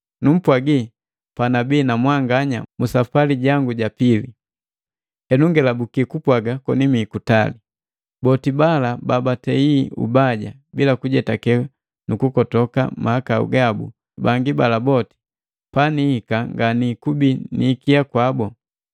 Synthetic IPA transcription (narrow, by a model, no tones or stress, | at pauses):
num̩pwaɡi | panabiːnamwaŋɡaɲa̰musafaliɟaŋɡuɟapili | hɛnuŋɡɛlabukikupwaɡakɔ̰nimikutali | bɔtibalababatɛiṵbaɟa̰ | bilakuɟɛtakɛ | nukukɔtɔka̰mahakaṵɡabṵ | baŋɡibalabɔti̥ | panihikaŋɡanikubiniːkiakwabɔ